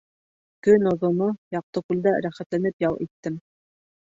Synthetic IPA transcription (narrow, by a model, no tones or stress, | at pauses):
kɵnŏðŏnojɑq̚t̪ɤkʉld̪æɾæχæt̪lænɘpjɑlˠit̪ːɘm